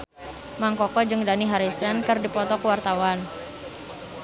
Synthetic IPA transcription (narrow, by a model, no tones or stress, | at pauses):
maŋkɔkɔd͡ʒɨŋdaniɦaɾisənkɨrdipɔt̪ɔkuwart̪awan